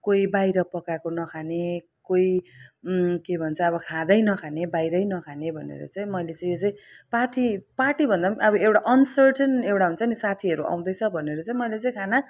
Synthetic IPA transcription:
koibajɾʌpʌkakonʌkʰane | koi | kebʱʌnt͡sʰʌʌbʌkʰãd̪ʌjnʌkʰanebajɾʌjnʌkʰanebʱʌnḛɾʌ̰t͡sʌĩmʌjlet͡sʌj̃jot͡saĩpaʈipaʈibʱʌnd̪aʌbʌewʈaʔʌnsʌrʈʌnewʈaɦunt͡sʰʌnisat̪ʰiʌɾuʔa̰w̃d̪ʌjt͡sʰʌbʱʌneɾʌt͡saĩmʌjlet͡sʌ̃ĩkʰana

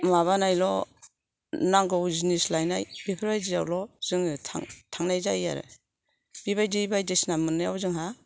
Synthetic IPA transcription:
maβanajlɔ | naŋɡɔwzinislajnajb̥ipʰɯɾbajzizawlɔz̥ɯŋɯtʰa̰ŋtʰaŋnajzaja̰ɾɯ̰ | b̥iβajdibajdesnamɯnːɯjawzɯŋɦa

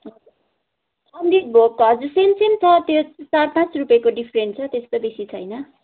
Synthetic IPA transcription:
ɦʌd͡zu | ʌnd̪ibʱokɦʌd͡zursensent̪ʌt̪jot͡sarpãt͡srupjekoɖipʰreɳʈt͡sʰʌt̪est̪obesit͡sʰʌjnʌ

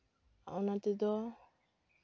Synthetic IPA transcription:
a̰ʔɔnat̪ɛd̪ɔ

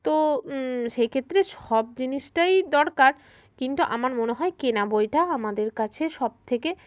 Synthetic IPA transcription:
t̪o | ʃekʰet̪ːɾeʃɔbd͡ʑiniʃʈajd̪ɔɾkaɾ | kint̪uʔamaɾmoneɦɔekenabojʈaamad̪eɾkat͡ɕʰeʃɔb̚t̪ʰeke

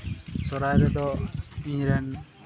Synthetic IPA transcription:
sɔɾajɾɛd̪ɔiɲɾɛn

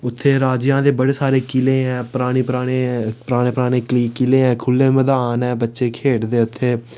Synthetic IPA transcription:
ʊt̪ʰːeːɾaːd͡ʒjãːd̪eːbəɽeːsaːɾeːkɪlẽːɛ̃ːpəɾaːɽ̃iːpəɾaːɽ̃eːpɾaːɽẽːpəɾaːɽ̃eːkliːkɪlẽːɛ̃ːkʰʊlːeːməd̪aːnɛ̃ːbətːʃeːkʰeːʈd̪eːʊt̪ʰːeː

